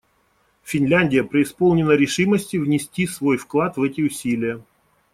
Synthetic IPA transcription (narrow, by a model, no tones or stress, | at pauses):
fʲɪnʲlʲænʲdʲɪjəpɾʲɪɪspolˠnʲɪnəɾʲɪʂɨməsʲtʲɪvnʲɪsʲtʲisvo̞jfklˠat̪vɛtʲɪʊsʲilʲɪjə